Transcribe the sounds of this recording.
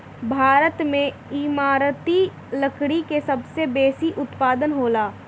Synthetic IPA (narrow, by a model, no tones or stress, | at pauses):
bʱaːɾət̪mẽ | imaːɾt̪i | ləkɽikesɐbsebeːsiʔʊt̪paːd̪ənɦoːlaː